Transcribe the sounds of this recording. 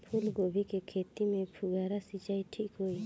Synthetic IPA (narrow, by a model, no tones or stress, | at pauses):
pʰulɡobʱikɛkʰet̪imɛpʰuɡaɾasit͡ʃajʈʰiʔkoj